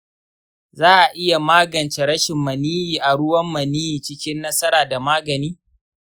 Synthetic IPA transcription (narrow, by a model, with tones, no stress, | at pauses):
zaː˦ʔa˨ʔɪ˦ja˨maː˦ɡɐ˨nt͡ʃe˨ɽɐ˦ʃɪ˨mːɐ˨niː˦jiː˨ʔa˨ɽʊ˦wɐ˦mːɐ˨niː˦jiː˨t͡ʃɪ˦kʲɪ˦nːɐ˦sɐ˦ɾaː˨da˨maː˦ɡɐ˨niː˦